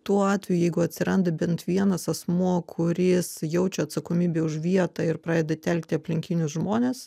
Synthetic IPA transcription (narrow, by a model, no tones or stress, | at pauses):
t̪uɔɑːt̪ʲʋʲɛjujɛɪɡʊɐt̪ʲsʲɪɾɐnd̪ɐbʲɛnt̪ʋʲiɛnɐsɐsmuɔkʰʊɾʲɪsjɛʊt͡ʃʲɛɐt̪sɐkoːmʲiːbʲeːʊʃʋʲiɛt̪ɑːɪrpɾɑːd̪ʲeɛd̪ɐt̪ʲɛlʲkt̪ʲɪɐpʲlʲɪŋʲkʲɪnʲʊsʒmoːnʲeːs